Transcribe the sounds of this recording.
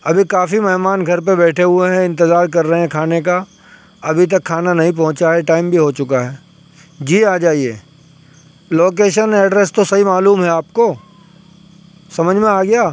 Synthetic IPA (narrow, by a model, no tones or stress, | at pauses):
ɐbʱikaːfimɛɦmaːnɡʱɐɾp̬ebɛːʈʰeɦʊeɦɛ̃ɪ̃nt̪ɪzaːɾkɐɾːɐɦẽɛ̃kʰaːneka | ɐbʱit̪̬ɐkʰːaːnanɐɦĩp̬ɐ̃ɦʊ̃t͡ʃaɦɛʈaːɪmbʱiɦot͡ʃʊkaɦɛː | d͡ʒiːaːd͡ʒaːieː | loːk̬eːʃənɛːɖɾest̪osɐɦimaːluːmɦɛaːp̚koː | sɐməd͡ʒʱmẽaːɡɐjaː